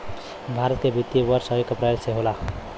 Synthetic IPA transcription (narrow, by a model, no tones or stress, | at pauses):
bʱaɾət̪̚kebʱit̪ːjibʌɾsʌekːapɾajseɦola